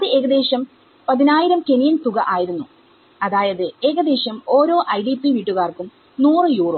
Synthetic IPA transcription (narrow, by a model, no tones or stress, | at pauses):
ɐðɨʔe̞ːɣɐd̪e̞ːɕɐm | pɐðinaːjiɾɐmke̞nijɐnt̪uɣɐʔaːjiɾunːu | ɐðaːjɐðɨe̞ːɣɐd̪e̞ːɕɐmo̞ːɾo̞ːʔɐjɖipiʋiːʈːuɣaːrkum | nuːrɨjuːru